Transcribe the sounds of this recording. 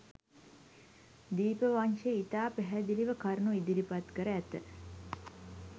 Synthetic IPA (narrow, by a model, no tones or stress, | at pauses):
d̪iːpəʋanʂeit̪aːpæɦæd̪iliʋəkaɾnuid̪ilipat̪kəɾəæt̪ə